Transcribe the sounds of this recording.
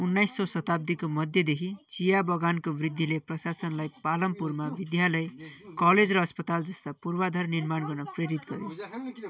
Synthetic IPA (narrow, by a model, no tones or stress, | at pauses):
unːajsːʌsʌt̪ab̚d̪ikomʌd̪ʱjʌd̪ekʰit͡sijabʌɡankobrid̪ʱːileprʌsasʌnlajpalʌmpurmabid̪jalʌjkʌled͡zrʌːspʌt̪ald͡zʌst̪apurbad̪ʱʌrnirmanɡʌrnʌpreɾit̪ɡʌɾjo